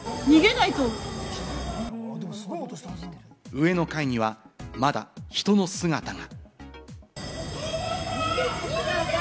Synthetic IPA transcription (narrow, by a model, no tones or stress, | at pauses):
ɲ̟iɡe̞nait̪o | d̪s | ɯ̟e̞no̞kaiɲ̟iβamad̪a̰çi̥t̪o̞no̞sɨɡat̪aŋa